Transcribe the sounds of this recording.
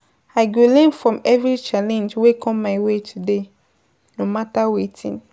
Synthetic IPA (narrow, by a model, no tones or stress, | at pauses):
aɪɡolɛ̃nfɹɔ̃mɛvɹit͡ʃalɛ̃nd͡ʒwekʰɔ̃mːaɪwetʰude | nomatawetʰḭ̃n